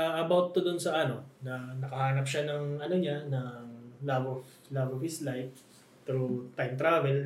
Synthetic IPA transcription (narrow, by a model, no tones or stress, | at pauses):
aʔɐbawt̪ːod̪onsɐʔɐno̞nɐnɐkɐhaːnɐp̚ʃanɐŋɐnoɲanɐŋlabov | labofɪslajf̚ | t̪ɾut̪ajmt̪ɾavɛl